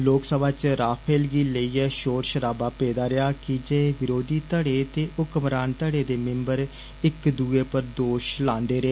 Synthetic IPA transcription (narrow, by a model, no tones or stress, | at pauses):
loːksəbaːt͡ʃɾaːpʰeːlɡiːləiːɛːʃoːɾʃəɾaːbaːpeːd̪aːɾɪaːkɪd͡ʒeːʋɪɾoːd̪iːt̪əɽeːt̪eːʊkmɾaːnt̪əɽeːd̪eːmɪ̃mbəɾ | ɪkd̪uːeːpəɾd̪oːʃlãːnd̪eːɾeː